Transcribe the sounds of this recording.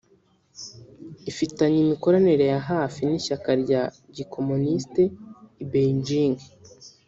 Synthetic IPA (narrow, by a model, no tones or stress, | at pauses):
ifitaɲimiko̞ɾaneɾe̞jaɦaːfiniʃakaɾɟa | ɟiko̞muniste̞ibeiɲd͡ʒiːŋɡe